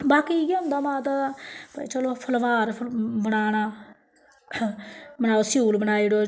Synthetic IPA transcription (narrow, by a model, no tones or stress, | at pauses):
baːkiːɡəmd̪aːmãːt̪apːt͡ʃəloːpʰəlʋaːɾbəɽaːɽ̃aː | bəɽaːoːsjuːlbəɽ̃aːiɽoː